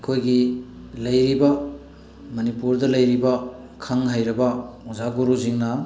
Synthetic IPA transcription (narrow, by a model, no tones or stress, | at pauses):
kʰojɡi | lɐjɾibɐ | mɐnipuɾdɐlɐjɾibɐ | kʰaŋɦajɾɐbɐuzaɡuɾuziŋnɐ